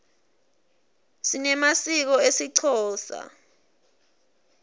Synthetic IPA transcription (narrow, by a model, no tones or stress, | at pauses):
sinɛmasik̬ɔesiǀʰɔːsa̰